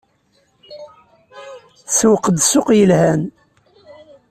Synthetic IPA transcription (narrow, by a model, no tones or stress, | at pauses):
swqːəd̪sʊqjəlhæn